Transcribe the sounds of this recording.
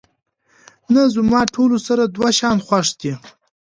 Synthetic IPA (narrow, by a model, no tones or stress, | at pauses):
nazumɑːʈʰolosaɾad̪waʃɑnxwaʂd̪i